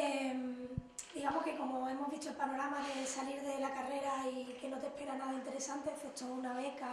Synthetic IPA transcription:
emd̪̥iɣamohke̞ko̞mo̞e̞mo̞ɦβit͡ʃoelpano̞ɾamaðe̞saliɾðe̞lakare̞ɾaike̞no̞t̪e̞hpe̞ɾanaðaint̪e̞ɾe̞sant̪eθet͡ʃounaβe̞ka

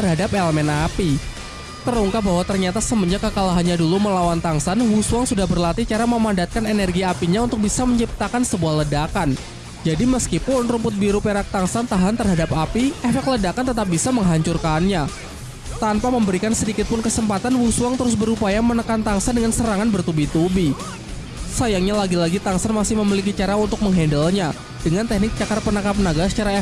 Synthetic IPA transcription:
ərɦadap̚eləmɛnapi | t̪əɾuŋkap̚baɦwat̪ərɲat̪asəməɲd͡ʒakəkalaɦanɲaduluməlawant̪aŋsanwusuaŋsudahbərlat̪it͡ʃaɾaməmandat̪̚kanenɛrɡiapiɲaunt̪ʊk̚bisaməɲt͡ʃip̚t̪akansəbuahlədakan | d͡ʒadiməskipʊnrumpʊt̪̚biɾupeɾak̚t̪aŋsant̪aɦant̪ərɦadap̚apiɛfɛk̚t̪lədakant̪ət̪̬ap̚bisaməŋɦaɲt͡ʃurkanɲa | t̪anpaməmbəɾikansədikɪt̪̚pʊnkəsəmpat̪anwusuaŋt̪əɾʊsbəɾupajamənəkant̪aŋsandəŋansəɾaŋanbərt̪ubit̪ubi | sajaŋɲalaɡilaɡit̪aŋsanmasɪhməmilik̬it͡ʃaɾaunt̪ʊk̚məŋɦɛndəlɲa | d̥əŋant̪ɛhnɪk̚t͡ʃakarpənakapənaɡasə̥t͡ʃaɾae

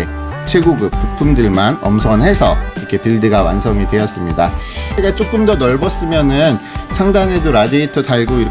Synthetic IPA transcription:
e | t͡ɕʰwe̞ɡuɡɯp̚k͈upʰumdɯɭmanʌ̰msʰʌnɦe̞sʰʌiɾʌkʰe̞piɭdɯɡawa̰nsʰʌŋidwe̞ʌs͈ɯmɲidat͡ɕeɡat͡ɕ͈ok͈ɯmdʌnʌɭbʌs͈ɯmjʌnɯnsʰaŋdanɦe̞doɾadiitʰɯtʰaɭɡoiɾ

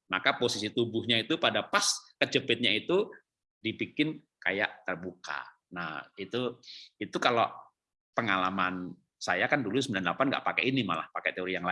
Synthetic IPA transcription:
makaposisit̪ubʊhɲait̪upadapaskət͡ʃəpɪt̪̚ɲait̪u | dipikɪn | ka̰ja̰ʔt̪ərbuka̰ | nahit̪uit̪ukalo | pəŋalaman | sajakandulus̬əmbilandəlapanɡa̰ʔpakɛinima̰lahpakɛt̪eoɾijaŋa

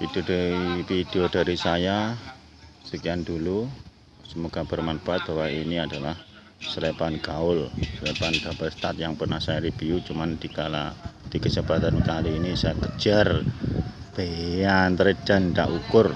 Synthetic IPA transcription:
id̪udaɾipid̥eodaɾisaja | sikiandulu | səmoɡ̥abərmanbaat̪̚b̥awainiadalah | səlepanɡ̥aʊlsəlepanɡabarst̪at̪̚jaŋpərnahsajaɾibiut͡ʃumandikala̰d̥ikəsəbat̪ankaliːnisajakə̥d͡ʒ̥ar | b̥eant̪əɾid̥a̤nd̪a̰ʔukʊr

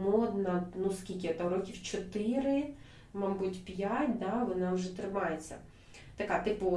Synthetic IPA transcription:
mɔd̪nɐnuskʲilʲk̬ʲɪɔt̪aɾɔkʲiwt͡ʃɔt̪ɪɾɪ | mɑmbutʲpʲjatʲd̪ɑʋɔnɑwʒɛt̪ɾɪmɑjet͡sʲːɐ̰ | t̪ɐkat̪ɪpʊ

